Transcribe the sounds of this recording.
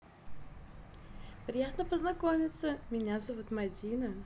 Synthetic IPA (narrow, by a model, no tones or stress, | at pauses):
pɾʲɪjat̪nəpəznɐkomʲɪt̪səmʲɪnʲazɐvut̪mɐdʲinə